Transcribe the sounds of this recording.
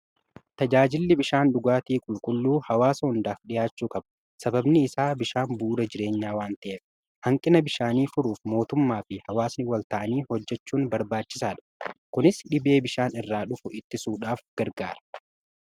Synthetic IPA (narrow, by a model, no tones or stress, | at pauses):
t̪ɐd͡ʒaːd͡ʒɪlːɪbɪʃaːnɗʊɡaːt̪iːkʼʊlkʼʊlːuːhɐwaːsɐhʊnd̪aːfᶑɪjaːt͡ʃːuːkʼɐbɐ̥ | sɐbɐbnɪɪsaːbɪʃaːnbuːd̪ɐd͡ʒɪɾe̞ːɲːaːwaːnt̪ɐʔeːf | hɐŋkʼɪnɐbɪʃaːniːfʊɾuːfmo̞ːt̪ʊmːaːfɪhɐwaːsnɪwɐlt̪ɐʔɐniːhɔd͡ʒːɛt͡ʃːuːnbɐɾbaːt͡ʃːɪsaːᶑɐ̥kʊnɪsɗɪbe̞ːbɪʃaːnɪrːaːᶑʊfʊʔɪt̪ːɪsuːᶑaːfɡ̥ɐɾɡa̰ːɾɐ̥